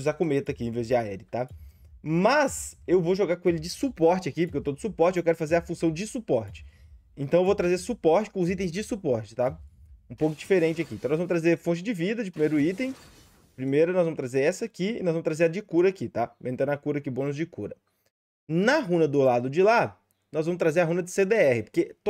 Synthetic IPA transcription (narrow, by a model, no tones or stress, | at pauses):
uzakomet̪ɐkiẽvezd͡ʒɪaɛɾɪt̪a | mɐsewvowʒoɡaɾkõelɪd͡ʒɪsupɔɾt͡ʃɪɐkipoɾkewt̪od̪ʊsupɔɾt͡ʃɪewkɛɾʊfazeɾɐfũsɐ̃w̃d͡ʒɪsupɔɾt͡ʃɪ̥ | ẽt̪ɐ̃w̃ewvot̪ɾazeɾsupɔɾt͡ʃɪ̥kõʊzit̪̬ẽj̃zd͡ʒɪsupɔɾt͡ʃɪ̥t̪aũpowkʊd͡ʒifeɾẽnt͡ʃɪakĩt̪ɐ̃nɔzvɐ̃mʊst̪ɾazeɾfõt͡ʃɪd͡ʒɪvid̪ɐd͡ʒɪpɾimejɾʊit̪ẽj̃ | pɾimejɾɐnɔzvɐ̃mʊst̪ɾazeɾɛsɐːkiɪ̰nɔz̃mʊst̪ɾazeɾɐd͡ʒɪkuɾɐaːkit̪amẽt̪ẽɾɐkuɾɐakɪbõnʊzd͡ʒɪkuɾɐ | nɐɦũnɐd̪ʊlad̪ʊd͡ʒɪla | nɔzvɐ̃mʊst̪ɾazeɾɐɦũnɐd͡ʒɪsed̪eɛhɪpo̥ɾket̪